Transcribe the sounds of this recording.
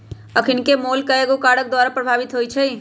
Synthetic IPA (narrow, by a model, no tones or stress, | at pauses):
əkʰɪnkemoːlkəeɡokaːɽək̚d̪waːɾapɾəbʱaːʋɪt̪ɦoːit͡ʃʰɛi